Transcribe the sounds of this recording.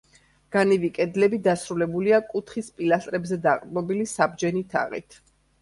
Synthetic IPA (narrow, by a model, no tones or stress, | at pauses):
ɡ̥anivikʼɛd̪lɛbid̪asɾulɛbuliakʼut̪ʰχispʼilast̪ʼɾɛbzɛd̪aqʼd̪ʼmɔbilisab̚d͡ʒɛnit̪ʰa̰ʁḭt̪ʰ